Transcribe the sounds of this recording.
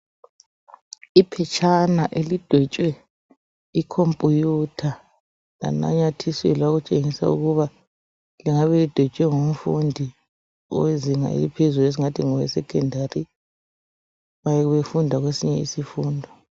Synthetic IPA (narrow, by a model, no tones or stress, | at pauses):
ipʰɛt͡ʃʰʼanaʔelid̥ʱɛt͡ʃʼwɛ | ikʰompʼujutʰa | la̰na̰ɲatʰiswɛ̰laɣut͡ʃʼeŋisa̰ṵɣuβa | liŋaβɛlid̥ʱɛt͡ʃʼwɛŋom̩fundʱi | ɔ̰weziŋa̰ḛlipʰezules̬iŋatʰiŋɔwɛ̰sɛkʰʼɛndʱari | βajɛɣuβefundʱaɣwesiɲɛḭsifuːndʱɔ